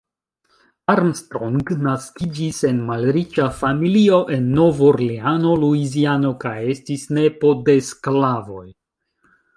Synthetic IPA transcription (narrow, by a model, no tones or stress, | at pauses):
aɾmstɾoŋɡnaskid͡ʒise̞nmalɾit͡ʃafamilio̞ʔe̞nːo̞voɾliano̞luiziano̞kaje̞stisne̞po̞desklavo̞̰j